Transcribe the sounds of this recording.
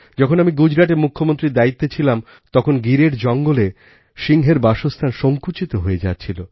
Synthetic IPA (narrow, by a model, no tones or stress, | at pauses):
d͡ʑɔkʰonamiɡud͡ʑɾaʈ̬eɾmukʰːomont̪ɾid̪ait̪ːet͡ɕʰilam | t̪ɔkʰonɡiɾeɾd͡ʑɔŋɡole | ʃiŋɦeɾbaʃost̪ʰanʃoŋkut͡ɕit̪oɦoed͡ʑatːt͡ɕʰilo